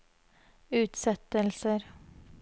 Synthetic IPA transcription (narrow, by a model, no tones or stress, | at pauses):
ʉːt̪sɛt̪əlsəɾ